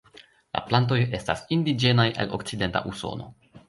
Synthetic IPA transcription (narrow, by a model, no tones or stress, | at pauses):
la̰plant̬o̞je̞stasindid͡ʒe̞najʔa̰lo̞̰kt͡side̞nta̰ʔuso̞̰no̞̰